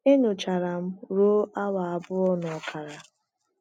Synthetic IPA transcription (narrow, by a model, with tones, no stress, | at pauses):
e˦ɲʊ˨t͡ʃa˨ɾa˨m̩˦ɾoː˦a˦wa˨a˨bʊ˦ɔ˦nɔ˨ɔ˨kʰa˨ɾa˨